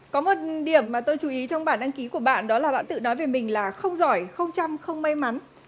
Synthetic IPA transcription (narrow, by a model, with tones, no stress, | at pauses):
kɔ˨˦mo˨˩t̚ɗi˧˩əmːaː˨˩t̪o˧jt͡ɕu˨˦ʔi˨˦t͡ɕɔ˧wŋ͡mɓaː˧˩nʔɗa˧nki˨˦ku˧˩əɓa̰ː˧˨nɗɔ˨˦laː˨˩ɓa̰ː˧˨nt̪ɨ̰˧˨nɔ˨˦jve˨˩mï˨˩ŋ̟laː˨˩xə˧wŋ͡mzɔ˧˩jxə˧wŋ͡mt͡ɕa˧mxə˧wŋ͡mma˧jma˨˦n